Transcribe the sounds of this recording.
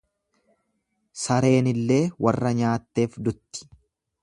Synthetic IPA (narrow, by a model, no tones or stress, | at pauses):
sɐɾe̞ːnɪlːe̞ːwɐrːɐɲaːt̪ːe̞ːfd̪ʊt̪ːɪ̥